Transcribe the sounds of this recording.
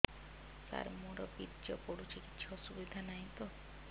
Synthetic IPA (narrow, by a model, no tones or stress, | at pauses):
sa̰ɾmuɾɔbidd͡ʒɔpɔɽut͡ʃʰikitːt͡ʃʰɔɔsubid̪ʱanaɦĩt̪ɔ